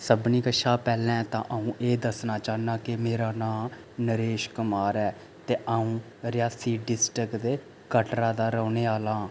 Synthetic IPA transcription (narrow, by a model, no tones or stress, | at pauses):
səbniːkəʃaːpɛːlɛ̃ːt̪ãːʔəũːʔeːd̪əsnaːt͡ʃaːnaːkɪmeːɾaːnãː | nəɾeːʃkʊmaːɾɛː | t̪eːʔaːũː | ɾɪjaːsiːɖɪsʈɾɪkd̪eː | kəʈɾaːd̪aːɾəːneːaːlãː